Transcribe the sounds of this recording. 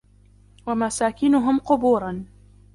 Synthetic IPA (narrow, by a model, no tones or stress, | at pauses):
wamasaːkɪnʊɦʊmqʊbuːɾˤɑn